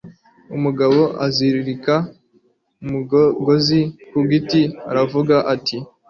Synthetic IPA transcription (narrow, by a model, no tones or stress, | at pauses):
umuɡaβo̞ʔaziɾiɾika | umuɡɡo̞zikuɡitia̰ɾavuɡaʔatʰi